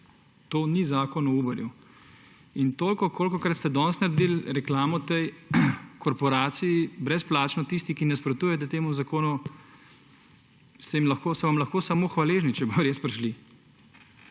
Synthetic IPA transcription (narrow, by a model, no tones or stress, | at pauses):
t̪oːnizaːkɔnɔuːbəɾju | int̪oːlkɔkoːlkɔkɾɐt̪st̪ɛd̪ɔnst̪nɐɾd̪iːlɾɛklaːmɔt̪ɛjkʰɔɾpɔɾaːt̪siibɾɛsplaːt͡ʃnɔt̪ist̪ikinɛspɾɔt̪uːjɛt̪̬ɛt̪eːmuzakoːnu | st̪ɛimlɐxkoːsɔʋamlɐxkoːsamoːxʋaleːʒnit͡ʃɛboɾespɾɛʃli